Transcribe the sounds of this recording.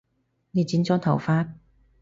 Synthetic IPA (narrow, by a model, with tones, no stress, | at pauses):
ne˨˧jt͡siː˨˥nt͡sɔː˨˥t̪ʰɐ˨˩wfaː˥t̚